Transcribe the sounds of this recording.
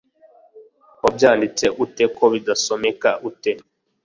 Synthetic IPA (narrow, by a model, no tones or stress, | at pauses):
objaːndit͡se̞ʔute̞ko̞βidaso̞me̞kaʔute̞